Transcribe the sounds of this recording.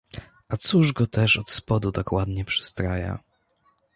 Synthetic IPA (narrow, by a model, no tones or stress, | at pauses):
at̪suʐɡɔt̪ɛʂɔt̪spɔd̪ut̪akwad̪ɲɛpʂɨ̥st̪ɾaja̰